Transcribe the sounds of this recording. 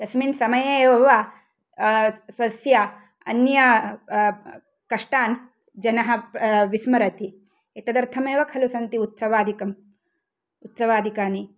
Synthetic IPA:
d̪̥ɐsmiːnsɐmɐjɐeːʋɐʋa | sʋɐsja | ɐ̰njɐ | kɐʂʈaːn | d͡ʒɐnɐɦɐ̆ʋismɐɾɐt̪i | et̪ɐd̪ɐɾt̪ʰɐmeːʋɐkʰɐlusɐnt̪iut̪sɐʋaːd̪ʱikɐm | ut̪sɐʋaːd̪ʱikaːni

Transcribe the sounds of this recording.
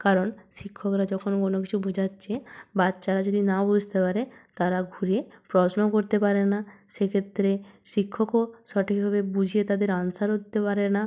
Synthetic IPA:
kaɾonʃikʰːokɾad͡ʑɔkʰonkonokit͡ɕʰubud͡ʑʱatːɕʰebatːɕaɾad͡ʑod̪inabud͡ʑʱt̪epaɾet̪aɾaɡʱuɾiepɾɔsnokoɾt̪epaɾenaʃekʰet̪ːɾeʃikʰːokoʃɔʈʰik̚bʱabebud͡ʑʱiet̪ad̪eɾansaɾɦot̪ːepaɾena

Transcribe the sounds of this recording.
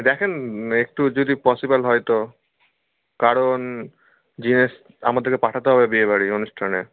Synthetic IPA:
d̪ɛkʰenek̚ʈud͡ʑod̪ipɔsibalɦɔjt̪o | kaɾon | d͡ʑineʃ | amad̪eɾkepaʈʰat̪eɦɔbebiebaɽionuʃʈʰane

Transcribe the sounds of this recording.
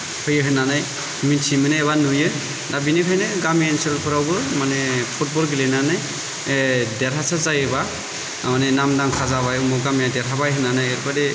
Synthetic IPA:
hʰɔjɯɦɯnanaj | minsʰimanɛːβanujɯ | dabinikʰajnɯɡamiɛnsɛlkʰɔɹawbɔɹmanɛpʰut̚bɔɾɡilɛnanaj | dɛtʰasazajɛba | manɛnamdaŋkʰazabajɔmɔɡamijadɛtʰabajɦɯnanajɛɾbadɛ

